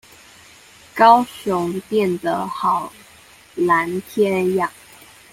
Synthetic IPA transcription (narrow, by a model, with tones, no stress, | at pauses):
kɑ˥ʊɕʊ˧˥ŋt̪jɛ˥˩nd̪ə˨˦xɑ˨˩ʊ | la˧˥nt̪ʰjɛ˥njɑ˥˩ŋ